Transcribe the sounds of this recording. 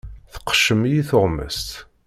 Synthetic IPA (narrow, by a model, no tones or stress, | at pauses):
θə̥qːə̥ʃəmjiθʊʁmə̰st̪